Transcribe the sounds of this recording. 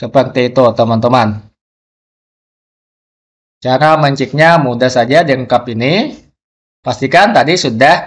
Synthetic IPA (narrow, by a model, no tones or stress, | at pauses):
səpəŋt̪ɛit̪ot̪əmant̪əman | t͡ʃaɾaməɲt͡ʃik̚ɲamudasad͡ʒadəŋkapini | past̪ikant̪adisudah